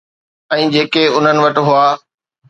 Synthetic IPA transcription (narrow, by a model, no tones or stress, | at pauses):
ɛ̃ːd͡ʑeːkeʊn̤ənɪ̆ʋɐʈɪ̆ɦʊaː